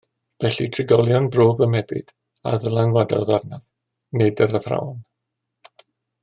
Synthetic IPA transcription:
v̥ɛɬitʰrɪɡɔlˠjɔnbroːvəmɛbɪ̰d̥ | a̰ðəlˠaŋwadɔðarnað | nɨdəɾəθra̰wn

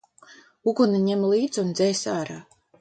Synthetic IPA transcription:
uɡuniɲɛmlˠiːd̪zund̪zɛjsaːɾaː

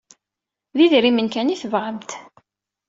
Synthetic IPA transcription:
ðiðɾimənkæniθəvʁəmt̪

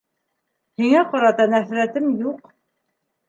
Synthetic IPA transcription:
hiŋæqɑɾɑt̪ɑnæθɾæt̪ɘmjuq

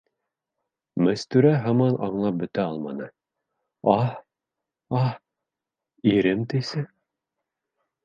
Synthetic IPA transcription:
mɘ̆st̪ʉɾæɦɑmɑnʔɑ̰ɴlˠɑp̚bɵ̆t̪æɑlˠmɑ̰nɤ | ɑh | ɑh | iɾɘmt̪ɘsɘ

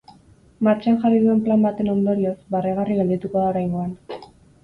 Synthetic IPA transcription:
maɾt͡ʃanxariðue̞mplambat̪e̞no̞nd̪o̞ɾiosbareɣ̞ariɣeld̪it̪uko̞ðaoɾajŋɡo̞an

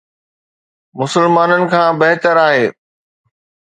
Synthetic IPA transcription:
mʊsəlmaːnənɪ̆kʰãːbɐɦt̪əɾaːɦeː

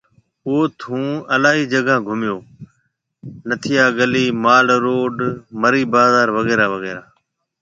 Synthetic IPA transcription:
oːt̪ʰũːəlaːiːd͡ʒəɡãːɡʱʊmjoː | nət̪ʰɪjaːɡəliːmaːlɾoːɖməɾiːbaːzaːɾʋəɣeːɾaːʋəɣeːɾaː

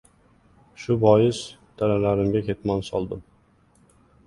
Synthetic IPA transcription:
ʃʊbɒjɪzd̪̥ʰaɾalaɾɪmɡʲakʲʰe̞t̪mansɒlˠd̪ɪm

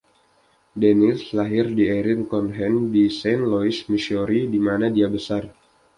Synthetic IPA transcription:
denɪlslaɦɪrdieɾɪnkɔnɦɛndisɛnlɔismiʃɔɾidimanadiabəsar

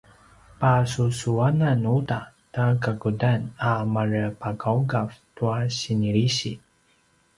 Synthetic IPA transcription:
pasusuananuta | takaɡudanamaɾəpakawɡaftuaɕiniɾiɕi

